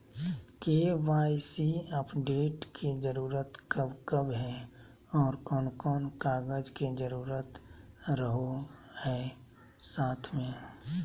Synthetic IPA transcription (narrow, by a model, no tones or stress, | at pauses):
keʋaːɪsiəpɖeːʈkʰid͡ʒəɾuːɾət̪kəbkəbɦɛ | ɔːɾkɔːnkɔːnkaːɡəd͡ʒked͡ʒəɾuːɾət̪ɾəɦohɛː | saːt̪ʰmẽː